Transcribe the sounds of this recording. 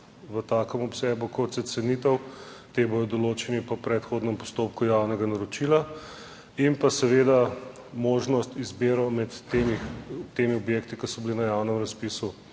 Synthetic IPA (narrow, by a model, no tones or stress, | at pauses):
ʋət̪aːkəmɔpsɛːbukɔt̪sɛsɛnit̪əwt̪ebod̪ɔd̪ɔloːt͡ʃɛnipɔpɾɛt̪xoːd̪nɛmpɔ̥st̪oːpkujawnɛɡanaɾɔt͡ʃila | impasɛʋeːd̪a | moːʒnɔst̪izbeːɾɔmɛt̪emit̪eːmiɔbjekt̪ikisɔbilinajawnəmɾɐspisu